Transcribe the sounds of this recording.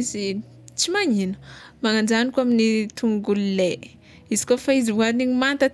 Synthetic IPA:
izi | t͡simaɲinə̥maŋand͡ʒanikwaminit̪ʰuŋɡulile | izi̥kofaizivuaɾniɲimant̪ə

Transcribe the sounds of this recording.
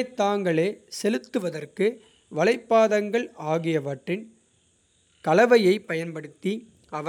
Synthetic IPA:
t̪ːaːŋɡɐɭeːsɛlɯt̪ːɯʋɐðɐrkɯ | ʋɐlɐɪpːaːðɐŋɡɐɭaːɣɪjɐʋɐʈrɪn | kɐlɐʋɐjɐɪpːɐjɐnpɐɽɯt̪ːi | ɐʋɐ

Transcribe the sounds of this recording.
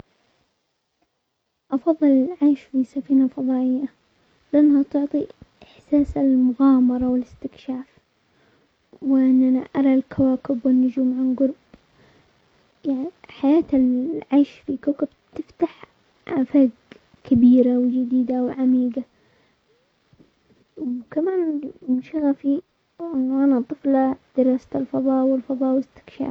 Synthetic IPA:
ʔɑfɑðˤːɨlɪlʕaːʃfisafiːnafɑðˤɑːʔɪjːa | lɪʔanːhat̪ʊʕt̪ˤiʔɪħsaːsɪlmʊɣɑːmɑɾˤɑwɪlɪst̪ɪkʃaːf | wɪʔɪnːʔanaʔɑɾˤɑlkʰawaːkɪbwɪnːʊd͡ʒuːmʕanɡʊɾˤb | jaʕniħajaːt̪ɪlʕaʃfikuːkɪb | t̪ɪft̪aħ | ʔafaːɡ | kabiːɾawd͡ʒɪd̪iːd̪awʕamiːɡa | wkamaːnmʊʃaɣafi | ʔɪnːʔanat̪ˤɨflad̪̥ɪɾˤɑːsat̪ɪlfɑðˤɑːʔwɪlfɑðˤɑːʔwɪɪst̪ɪ̥kʃa̰ːf

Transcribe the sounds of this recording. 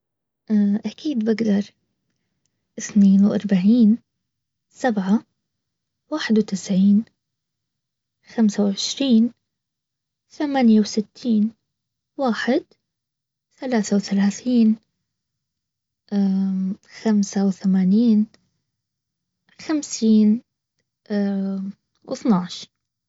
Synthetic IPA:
ʔaʔakiːd̪bɪɡd̪ɑɾˤ | ʔɪθneːnwʔɑ̰ɾˤbaʕiːn | sabʕa | waːħɪd̪wt̪ɪsʕiːn | xamsawʕɪʃɾiːn | θamaːnjawsɪt̪ʰːiːn | waːħɪd̪ | θalaːθawθalaːθiːn | ʔaxamsawθamaːniːn | xamsiːn | wʔɨ̰θnɑʕʃ

